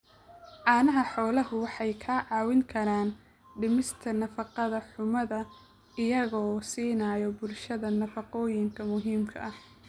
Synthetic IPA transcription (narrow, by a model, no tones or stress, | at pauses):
ʕɑːnɐɦɐħɔːlɐɦʊwɑħɑjkʰɐʕɑːwɪŋkʰɐɾaːn | ɖɪmɪst̪ʰɐnɐfɑqɑðɐħʊmɐðɐ | ɪjɐɣɔːsiːnaːjɔbʊlʃɐðɐnɐfɑqɔːjɪŋkʰɐmʊɦiːmkʰɐ̰ʔɐh